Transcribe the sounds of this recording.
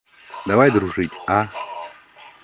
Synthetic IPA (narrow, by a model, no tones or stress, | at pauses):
d̪avajd̪ɾuʐɨtʲa